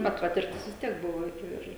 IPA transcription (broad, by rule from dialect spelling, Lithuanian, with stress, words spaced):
bʲɛt ˈpɑːtʲɪrʲtʲɪs ʋʲɪs ˈtʲiɛk ˈbʊʋoː ˈɪr